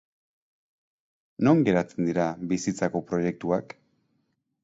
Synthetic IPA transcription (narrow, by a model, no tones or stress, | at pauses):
no̞ŋɡe̞ɾat͡se̞nd̪iɾaβisit͡sako̞pɾo̞je̞k̚t̪uak